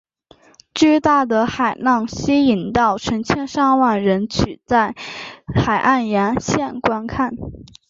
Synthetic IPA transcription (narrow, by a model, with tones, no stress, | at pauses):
t͡ɕy˥˧t̪a˥˩d̪ə˩xa˨˩ɪnɑ˥˩ŋɕi˥i˨˩nt̪ɑ˥˩ʊʈ͡ʂʰɤ˧˥ŋt͡ɕʰjɛ˥nʂɑ˥˧ŋwa˥˩nɻə˧˥nt͡ɕʰy˨˩t͡sa˥˩ɪxa˨˩ɪʔa˥˩njɛ˧˥nɕjɛ˥˩nkwa˥nkʰa˥˩n